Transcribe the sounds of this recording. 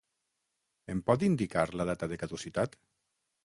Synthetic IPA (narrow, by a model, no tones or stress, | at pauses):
empɔt̪̬ind̪ikaɾlað̞at̪aðekaðusit̪at̪